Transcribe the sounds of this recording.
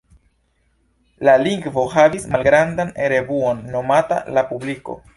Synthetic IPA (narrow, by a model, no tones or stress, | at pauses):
laliŋɡvo̞ɦavismalɡɾandane̞ɾe̞vuo̞nːo̞mata̰lapubliko̞̰